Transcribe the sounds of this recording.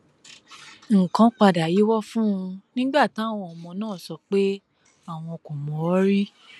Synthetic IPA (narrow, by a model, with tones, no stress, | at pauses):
ŋ̩˨kã˨˦k͡pa˧˨da˨ji˨˦wɔ˦fũ˦ũ˧nĩ˦ɡ͡ba˦˨ti˨˦a˦˨w̃ɔ̃˧ɔ˧mɔ̃˧nãː˦˨sɔ˧k͡pe˦ | a˦˨w̃ɔ̃˧ko˨mɔ̃˨ɔ˦ɾi˦